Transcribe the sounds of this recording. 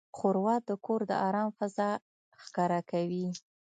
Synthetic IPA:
xʊɾwɑt̪̚d̪əkoɾd̪ə̰ʔɑɾɑmfazɑ | xkɑɾakawi

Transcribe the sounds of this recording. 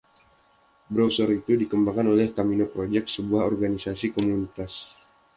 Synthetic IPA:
bɾosəɾit̪udikəmbaŋkanolɛhkaminopɾod͡ʒɛk̪̚səbuahɔrɡanisasikomunit̪as

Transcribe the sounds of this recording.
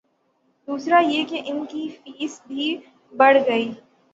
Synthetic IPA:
d̪uːsɾajekeʔɪnkifiːsbʱi | bɐɽɡɐiː

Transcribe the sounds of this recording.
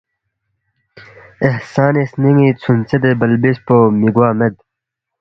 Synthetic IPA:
ehsaːnisniŋit͡sʰunt͡sed̪ebɐlbispomiɡwaːmed̪̚

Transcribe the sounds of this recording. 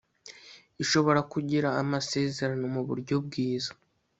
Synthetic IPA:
iʃo̞βo̞ɾakuɟiɾaːmase̞ːze̞ɾanumuβṵɾɟo̞bɡiːzḁ

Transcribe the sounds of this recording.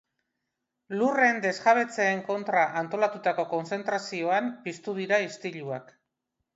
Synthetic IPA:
lure̞nd̪e̞zɣaβ̞e̞t͡se̞ːŋko̞nt̪ɾaʔant̪o̞lat̪ut̪ako̞ko̞nse̞nt̪ɾasio̞ampist̪uðiɾaist̪iʎua̰k

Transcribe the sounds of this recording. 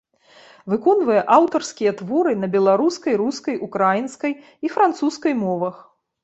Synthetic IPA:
vɨkɔnvɐjɛʔawt̪ɐrskʲijɐt̪vɔɾɨnɐbʲɛlˠaɾuskɐjɾuskɐjʔukɾajinskɐj | ifɾant̪suskɐjmɔvɐx

